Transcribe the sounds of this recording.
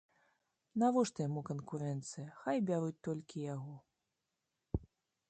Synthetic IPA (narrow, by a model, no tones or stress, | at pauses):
navɔʂt̪ɐjamukɐnkuɾɛnt̪sɨjɐxajbʲaɾut͡s̚ʲt̪ɔlʲkʲijaɣɔ